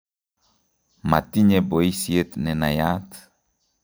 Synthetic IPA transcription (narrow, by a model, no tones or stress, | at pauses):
ma̰t̪iɲeboisiet̪nɛnajat̪